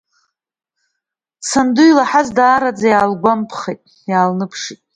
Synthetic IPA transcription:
t͡sʰandujlaħazdaːɾad͡zajaːlɡʷampʰχejtʼ | jaːlnɨpʰʂitʼ

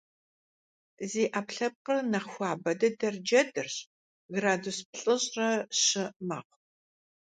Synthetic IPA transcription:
ziːʔaːpɬɐp̚qərnɐχxʷɑːbɐdɐdɐrd͡ʒɐdɨrɕ | ɣɾaːdusp̚ɬʼɨɕʼrɐɕɪmɐq̚ʷ

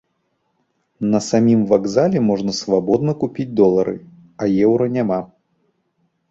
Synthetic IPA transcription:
nɐsamʲimvaɡzalʲɛmɔʐnɐsvabɔd̪̚nɐkupʲid͡zʲd̪ɔlˠɐɾɨ̰ | ɐjɛwɾɐnʲama

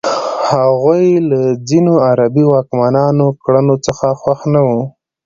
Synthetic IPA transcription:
haɣujlad͡zinoaɾabiwɑkmanɑnokɽənot͡səxaxwaxnawu

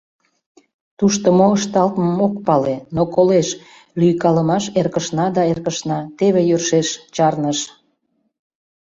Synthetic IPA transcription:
t̪uʃt̪əmoəʃt̪ɑlt̪məmok̚pɑlenokoleʃ | lyjkɑləmɑʃerkəʃnɑd̪ɑerkəʃnɑt̪eβejørʃeʃt͡ɕɑrnəʃ

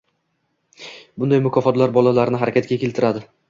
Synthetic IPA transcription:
bʊnd̪ajmʊkʰɒfɒt̪laɾbɒlalaɾɪnɪɦaɾakʲat̪̚kʲakʲelt̪ʰɪɾad̪ɪ

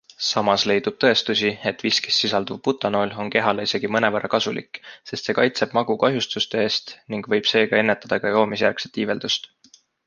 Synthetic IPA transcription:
sɑmɑsle̞jd̪ub̥̚t̪ɤ̞e̞st̪usʲie̞t̪ːˑviskesːisɑld̪uv̚put̪ːˑɑno̞ːlo̞nke̞ɦɑleise̞ɡ̥imɤnevæɾʔɑkɑsulḭkːˑse̞st̪se̞kɑjt̪se̞b̥mɑɡ̥ukɑɦjust̪ust̪e̞e̞ːst̪niŋɡ̥vɤ̞jb̥se̞ːɡɑe̞nːe̞t̪ːˑɑd̪̥ɑkɑjo̞ːmisjærkset̪ːˑiːve̞ld̪ust̪

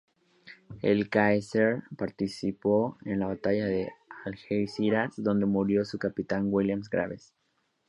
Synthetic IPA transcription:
ḛlkajseɾpaɾt̪isipoenlaβat̪aʝaðe̞alxejsiɾasðo̞nd̪e̞muɾjo̞sukapit̪aŋwiljamsɡɾa̰βes

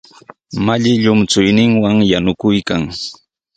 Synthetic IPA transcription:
maʎɪʎʊmt͡sʊjnɪŋwaŋjanʊkʊjkaŋ

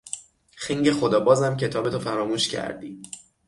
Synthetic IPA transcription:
xeŋɟexod̪ɒːbɒːzæmcʰe̞t̪ʰɒːbe̞t̪ʰofæɾɒːmuːʃcʰæ̰ɾd̪iː

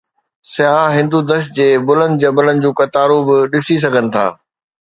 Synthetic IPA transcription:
sɪɦaɦɪ̃nd̪ud̪əʃd͡ʑeːbʊlə̃nd̪d͡ʑɐbələnɪ̆d͡ʑũːkɐt̪aːɾubɪɗɪsis̬ɐɡʱənɪ̆t̪ʰa̰ː

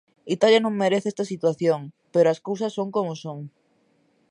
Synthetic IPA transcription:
it̪aljɐnõŋmeɾeθeest̪ɐsit̪waθjoŋpeɾoɐskowsɐsːoŋkomʊsoŋ

